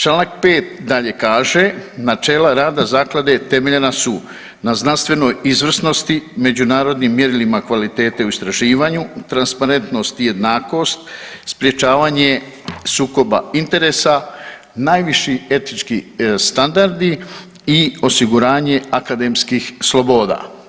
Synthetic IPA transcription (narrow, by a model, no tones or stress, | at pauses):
t͡ʃlaːnak̚pe̞ːt̪d̪aʎe̞kaːʒe̞nat͡ʃe̞ːlaɾaːd̪azaːklad̪e̞t̪e̞meʎe̞nasu | naznanst̪ʋe̞no̞jizʋr̩sno̞st̪ime̞d͡ʑunaːɾo̞d̪nimːje̞ɾilimakʋalit̪e̞ːt̪euist̪ɾaʒiːʋaɲut̪ɾanspaɾe̞nt̪no̞st̪ije̞d̪naːko̞ːst̪spɾje̞t͡ʃaːʋaɲe̞ | suːko̞ba̰int̪e̞ɾe̞ːsa | naːjʋiʃie̞t̪nit͡ʃkist̪and̪aɾd̪i | io̞siɡuɾaːɲe̞akad̪e̞mskixslo̞bo̞ːd̪a̰ː